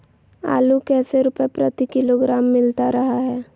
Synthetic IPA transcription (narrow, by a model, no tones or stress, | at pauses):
a̰ːlukɛːseɾʊpepɾət̪ikɪloɡɾaːmːɪlt̪aɾɐɦaɦɛː